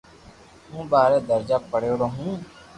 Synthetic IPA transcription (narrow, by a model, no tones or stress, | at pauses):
ɦũːbaːɾeːd̪əɾd͡ʒaːpəɽejoːɾoːɦũː